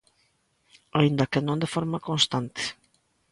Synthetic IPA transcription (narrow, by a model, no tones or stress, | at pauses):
aind̪akenõnd̪efɔɾmakonst̪ant̪e̥